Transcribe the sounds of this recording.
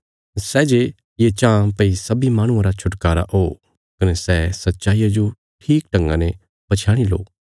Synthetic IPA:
sɛːd͡ʒe | jet͡ʃãːpɐisɐbimaːɽ̃ʊ̃ãɾat͡ʃʰʊʈkaːɾa̰ʔoː | kɐnɛsɛːsɐtːʃaːijad͡ʒo | ʈʰiːkʈɐ̃ŋɡã̰ne | bɐt͡ʃʰaːɽ̃ilo̰ː

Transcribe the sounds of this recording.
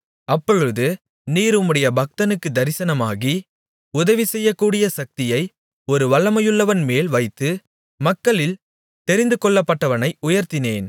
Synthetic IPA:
ɐpːɔɻɯðɯ | niːɾɯmɯɽɐjɐbɐk̚t̪ɐnɯkːɯd̪ɐɾɪsɐnɐmaːɣi | ʊðɐʋisɛjːɐkːuːɽɪjɐsɐk̚t̪ɪjɐɪ | ɔɾɯʋɐɭːɐmɐjɯɭːɐʋɐnmeːlʋɐɪt̪ːɯ | mɐkːɐɭɪl | t̪ɛɾɪnd̪ɯkɔɭːɐpːɐʈːɐʋɐnɐɪʊjɐɾt̪ɪneːn

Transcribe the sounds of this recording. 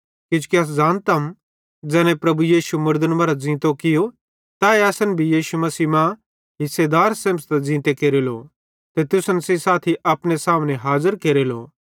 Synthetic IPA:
kɪd͡ʒʊ̥kiɐs̬d͡zaːnt̪ɐm | d͡zɛːnẽpɾɐbujiːʃumʊɾd̪ənmɐɾad͡zĩːt̪okɪjo | t̪aːeɐsənbʱijiːʃumɐsiːmã | ɦɪsːed̪aːɾsẽːmst̪d͡zĩːt̪ekeːɾeːlo | t̪et̪ʊsənsesaːt̪ʰiʔɐpnesaːmneɦaːzəɾkeːɾelo̰ː

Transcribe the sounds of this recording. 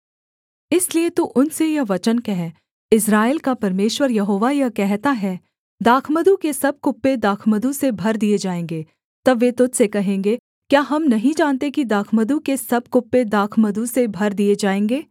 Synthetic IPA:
ɪsliet̪oʔʊnsejɐʋɐt͡ʃənkɛɦɛ | ɪs̬ɾaːeːlkapɐɾmeːʃwəɾjɐɦoːʋajɐkɛɦt̪aɦɛː | d̪aːkʰməd̪ukesɐb̚kʊpːed̪aːkʰməd̪usebʱɐɾd̪ied͡ʒaːẽːŋɡeː | t̪ɐbʋet̪ʊt̪sekɐɦẽːŋɡe | kjaːɦɐmnɐɦĩd͡ʒaːnt̪ekid̪aːkʰməd̪ukesɐb̚kʊpːed̪aːkʰməd̪usebʱɐɾd̪ied͡ʒaːẽːŋɡeː

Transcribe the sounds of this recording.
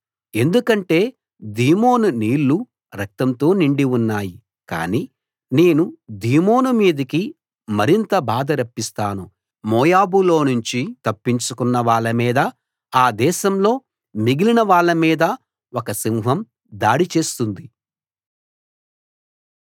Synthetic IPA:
e̞nd̪ukɐɳʈe̞ː | d̪iːmo̞ːnuniːɭːu | ɾɐk̚t̪ɐmt̪o̞ːniɳɖiunːaːji | ka̰ːniː | ne̞ːnud̪iːmo̞ːnumiːd̪ɐki | mɐɾint̪ɐbaːd̪ɐɾɐpːist̪aːnu | mɔːjaːbulo̞ːnuɲt͡ʃit̪ɐpːiɲt͡ʃukunːɐʋaːɭːɐmiːd̪ɐ | aːd̪ɛːʃɐmlo̞ː | miɡilinɐʋaːɭːɐmiːd̪ɐ | ɔkɐsimɦɐm | d̪aːɽit͡ʃe̞ːst̪und̪i

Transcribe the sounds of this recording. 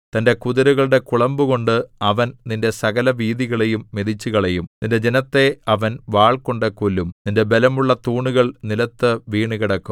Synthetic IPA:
t̪ɐnde̞kuðɐɾuɣɐɭɽe̞kuɭɐmbuɣo̞ɳɖɨɐʋɐnninde̞sɐɣɐlɐʋiːðiɣɐɭe̞jumːeðit͡ɕːuɣɐɭe̞jumninde̞d͡ʑe̞nɐt̪ːe̞ɐʋɐnʋaːɭko̞ɳɖekulːumninde̞be̞lɐmuɭːɐt̪uːɳuɣɐɭnilɐt̪ːɨʋiːɳukiɽɐkːum

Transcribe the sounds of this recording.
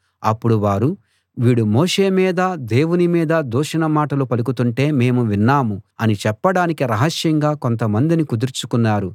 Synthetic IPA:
ɐpːuɽuʋaːɾu | ʋiːɽumoːʂe̞ːmiːd̪ɐd̪e̞ːwunimiːd̪ɐd̪uːʂɐnɐmaːʈɐlupɐlukut̪uɳʈe̞ːme̞ːmuʋinːaːmuɐnit͡ʃɛpːɐɽaːnikiɾɐɦɐʃjɐŋɡaːko̞nt̪ɐmɐnd̪inikud̪iɾt͡ʃukunːaːɾu

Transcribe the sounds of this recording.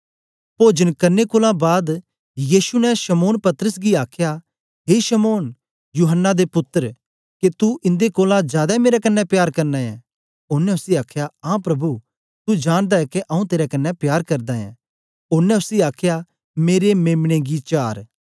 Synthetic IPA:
poːd͡ʒənkɐɾnekoːlãbaːd̪ | jiːʃunɛ̃ʃɐmoːnpɐt̪əɾəsɡiaːkʰja | ɦeːʃɐmoːn | juːɦənːad̪epʊt̪ːəɾ | ket̪uʔɪ̃nd̪ekoːlãd͡ʒjaːd̪ameːɾɛkɐnːɛpjaːɾkɐɾnãɛ̰̃ | ʊɾnɛ̃ʊsiaːkʰjaãːpɾɐbu | t̪ud͡ʒaːɽ̃d̪aɦɛkeʔɐũt̪eːɾɛkɐnːɛpjaːɾkɐɾd̪aɛ̰̃ | ʊɾnɛ̃ʊsiaːkʰja | meːɾemeːmɽ̃eɡit͡ʃaːɾ

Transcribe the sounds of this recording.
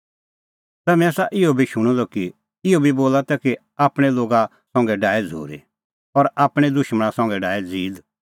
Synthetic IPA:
t̪ɛːmɛːsaʔɪɔbʱiʃʊɽ̃ɔlɔki | ɪobʱiboːlat̪ɛki | aːpɽ̃ɛloːɡa | sɔ̃ŋɡɛɖaːɛd͡zʱo̰ːɾḭ | ɔɾaːpɽ̃ɛd̪ʊʃməɽ̃ãsɔ̃ŋ̆ɡɛɖaːɛd͡ziːd̪

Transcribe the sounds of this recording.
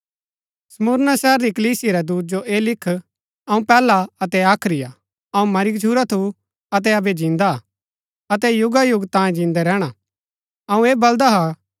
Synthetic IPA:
sɐmʊɾnasɛːɾɾikəliːsiaɾɛd̪uːt̪̚d͡ʒoʔeːlɪkʰː | ɐũpɛːlaɐt̪ɛaːkʰɾɪja | ɐũmɐɾɪkt͡ʃʰuːɾat̪ʰu | ɐt̪̬ɛɐbed͡ʒĩnd̪a | ɐt̪ɛjʊɡajʊɡt̪ãːẽd͡ʒĩːnd̪ɛɾɛːɽ̃a | ɐũeːbɐld̪aɦa

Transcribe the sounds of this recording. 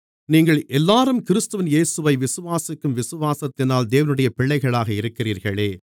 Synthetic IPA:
niːŋɡɐɭʔɛlːaːɾɯmkɪɾɯst̪ɯʋɪnjeːsɯʋɐɪʋɪsɯʋaːsɪkːɯmʋɪsɯʋaːsɐt̪ːɪnaːld̪eːʋɐnɯɽɐjɐpɪɭːɐɪɣɐɭaːɣɐɪɾɯkːɪriːɾɣɐɭeː

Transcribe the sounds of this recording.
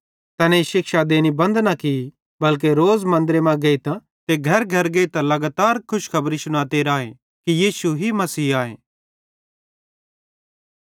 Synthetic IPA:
t̪ɐnɛ̃ʃɪkʃad̪eːnibɐ̃nd̪naki | bɐlk̬eɾoːzmɐ̃nd̪ɾemãɡeːit̪ã | t̪eɡʱɐɾɡʱɐɾɡeːit̪ãlɐɡaːt̪aːɾkʰʊʃkʰɐbɾisʊñaːt̪eɾaːe | kijiːsuɦimɐsiːaːḛː

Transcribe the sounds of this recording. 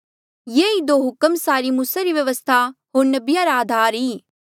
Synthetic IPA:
jeid̪oːɦʊkəmsaːɾimuːsaɾiʋjɐʋəst̪ʰaɦoːɾnɐbɪjaɾaaːd̪ʱaːɾɦiː

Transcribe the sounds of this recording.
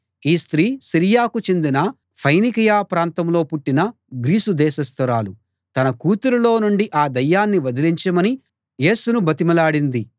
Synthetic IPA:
iːst̪ɾiːsiɾijaːkut͡ʃe̞nd̪inɐ | pʰɐjnikijaːpɾaːnt̪ɐmlo̞ːpuʈːinɐ | ɡɾiːsud̪ɛːʃɐst̪ɐɾaːlu | t̪ɐnɐkuːt̪uɾulo̞ːnuɳɖiʔaːd̪ɐjːaːnːiʋɐd̪iliɲt͡ʃɐmɐni | je̞ːsunubɐt̪imɐlaːɽind̪i

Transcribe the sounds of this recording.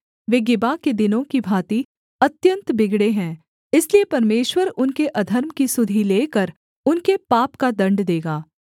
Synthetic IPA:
ʋeːɡɪbaked̪ɪnõkibʱaːt̪i | ɐt̪jə̃nt̪bɪɡɽeɦɛ̃ː | ɪsliepɐɾmeːʃwəɾʊnkeʔɐd̪ʱəɾmkisʊd̪ʱileːkəɾ | ʊnkepaːpkad̪ɐ̃ɳɖd̪eːɡaː

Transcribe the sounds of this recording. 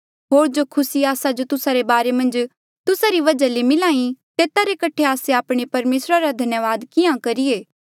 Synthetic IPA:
ɦoːɾd͡ʒokʰʊsiaːsad͡ʒot̪ʊsaɾebaːɾemɐ̃nd͡ʒ | t̪ʊsaɾiʋɐd͡ʒalemɪlaːĩt̪eːt̪aɾekɐʈʰeaːseaːpɽ̃epɐɾmeːsɾaɾad̪ʱɐnjəʋaːd̪kɪãkɐɾieː

